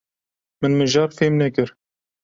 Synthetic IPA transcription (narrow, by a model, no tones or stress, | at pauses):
mɨnmɨʒɑːɾfeːmnɛkɨɾ